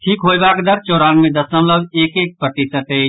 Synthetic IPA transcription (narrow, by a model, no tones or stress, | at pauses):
ʈʰiːkɦoːjbaːkd̪əɾt͡ʃoːɾaːnmẽd̪əsəmləbeːkeːk̚pɾət̪isəʈ̪eː